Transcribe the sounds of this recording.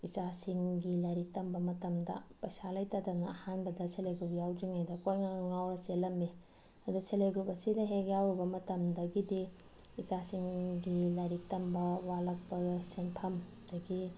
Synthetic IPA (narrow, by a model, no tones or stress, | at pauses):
it͡ʃasiŋɡilajɾik̚tɐmbɐmɐtɐmdɐ̰pɐsalɐjtɐdɐnɐɐhanbɐdɐseleɡɾup̚jawd͡ʒiŋajdɐkojŋaŋawɾɐselɐmːi | ɐduseleɡɾup̚ɐsidɐɦekjawɾibɐmɐtɐmdɐɡidi | it͡ʃasiŋɡilajɾik̚tɐmbɐwalɐk̚pɐsenpʰɐm | d̥ɐɡi